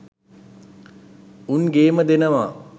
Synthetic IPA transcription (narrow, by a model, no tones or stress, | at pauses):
unɡeːməd̪enəʋa